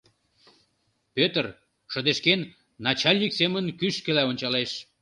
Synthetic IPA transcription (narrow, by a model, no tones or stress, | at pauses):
pøt̪ər | ʃəd̪eʃkenː | ɑt͡ɕɑlʲnʲiksemənkyʃkelæonʲt͡ɕɑleʃ